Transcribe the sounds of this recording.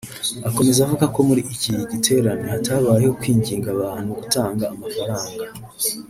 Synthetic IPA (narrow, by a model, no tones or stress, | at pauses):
ako̞me̞zavuɡako̞muɾiʔːciɟitʰe̞ːɾanihatʰaβaːɾeho̞kwiːɲɟiːŋɡaβaːn̥huɡutaːŋɡaːmafaɾaːŋɡa